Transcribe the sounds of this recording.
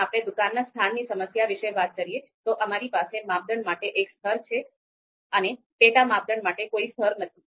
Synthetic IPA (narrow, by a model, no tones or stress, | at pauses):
apɽ̃ed̪ukanːast̪ʰanːisəməsjaʋiʃeʋat̪̚kəɾijet̪oʔəmaɾipasemap̚d̪əɳmaʈeʔekst̪ʰəɾt͡ʃʰe | əne | peʈamab̚d̪əɳmaʈekoist̪ʰəɾnət̪ʰi